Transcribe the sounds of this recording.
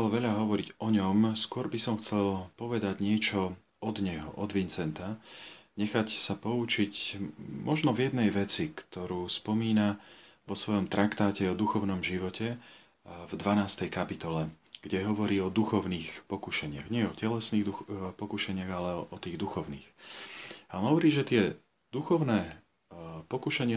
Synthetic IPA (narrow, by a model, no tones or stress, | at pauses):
ɛlʋɛʎaɦɔʋɔɾiɟɔɲɔmskʊɔɾbisɔmxt͡sɛlpɔʋɛd̪aɟɲɪɛt͡ʃɔ | ɔd̪ɲɛɦɔ̰ʔɔd̪ʋint͡sɛnt̪aɲɛxacsapɔut͡ʃicmɔʒnɔvjɛd̪nɛjʋɛt͡sikt̪ɔɾuːspɔmiːna | ʋɔsʋɔjɔmt̪ɾakt̪aːcɛɔd̪uxɔʊnɔmʒiʋɔcʰɛ | vd̪ʋanaːst̪ɛjkapit̪ɔlɛ | ɡ̥ɟɛɦɔʋɔɾiːɔd̪uxɔʊniːxpɔkuʃɛɲɪaɣɲɪɛɛɔcɛlɛsniːɣd̪upɔkuʃɛɲɪaɣalɛɔʔɔt̪iːɣd̪uxɔʊniːx | aɦɔʋɔɾiːʒɛt̪ɪɛ | d̪uxɔʊnɛː | pɔkuʃɛɲɪa